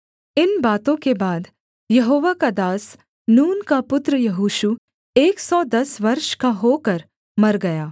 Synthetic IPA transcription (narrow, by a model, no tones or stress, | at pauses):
ɪnbaːt̪õkebaːd̪ | jɐɦoːʋakad̪aːs | nuːnkapʊt̪ɾəjɐɦuːʃu | eːksɔːd̪ɐsʋɐɾʃkaɦoːkɐɾ | mɐɾɡɐjaː